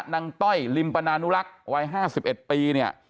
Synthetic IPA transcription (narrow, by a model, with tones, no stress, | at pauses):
na˧ŋt̪ɔ˥˩jli˧mpa˧naː˧nu˦˥la˦˥k̚wa˧˥jɦaː˥˩si˨˩p̚ʔe˨˩t̪̚piː˧ni˥˩ɐə